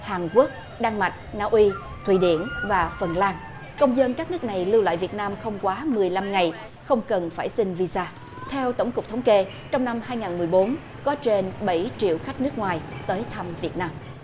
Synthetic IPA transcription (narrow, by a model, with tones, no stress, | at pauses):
haː˨˩nku˦˥ək̚ | ɗaː˧ŋma˨˩t̚naː˧wʔi˧ | t̪ʰwḭ˧˨ɗḭ˧˨ənvaː˨˩fə˨˩nlaː˧ŋ | kə˧wŋ͡mzə˧nkaː˦˥k̚nɨ˦˥ək̚na˨˩jlɨ˧wla̰ː˧˨jvi˨˩ət̚naː˧mxə˧wŋ͡mkwaː˨˦mɨ˨˩əjla˧mŋa˨˩j | xə˧wŋ͡mkə˨˩nfaː˧˩jsï˧ŋ̟vi˧zaː˧ | t̪ʰɛ˧wt̪ə˧˩wŋ͡mkʊ˨˩k͡p̚t̪ʰwŋ͡mke˧ | t͡ɕɔ˧wŋ͡mna˧mhaː˧jŋaː˨˩nmɨ˨˩əjɓo˨˦n | kɔ˨˦t͡ɕe˧nɓə˧˩jt͡ɕḭ˧˨əwxa˦˥k̚nɨ˦˥ək̚ŋwaː˨˩jt̪əː˨˦jt̪ʰa˧mvi˨˩ət̚naː˧m